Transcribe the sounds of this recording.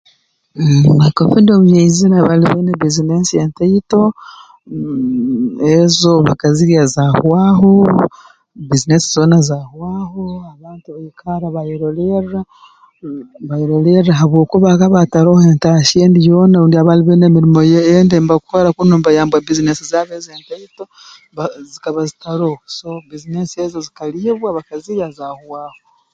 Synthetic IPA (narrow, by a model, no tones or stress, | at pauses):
nakofindomuɲejzinaβaliβeːneβizinesijenteito̞ | ezo̞βakaziɾijazahwaːho | bizinesizo̞ːnazahwaːhoaβaːntuβaikʰaɾaβajiɾolera | βajeɾoleɾaɦaβwo̞ːkuβaɣaβataɾo̞he̞ːntaʃeːndijoːnaɾuːndiaβaliβeːnemiɾimo̞jeːndembakukoɾakunuːmbajaːmbwabizinesizaβezeːntaito | azikaβazitaɾohoso̞bizinesiezozikalieβwaβakaziɾiazaːhuwaːho